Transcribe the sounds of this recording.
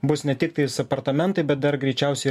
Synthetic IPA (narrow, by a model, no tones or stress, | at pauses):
bʊsnʲɛt̪ʲɪk̚t̪ɐɪsɐpɐɾt̪ɐmʲɛnt̪ɐɪbʲɛt̪̚d̪ɐɾɡɾʲɛɪt͡ʃʲɛˑʊsʲɛɪ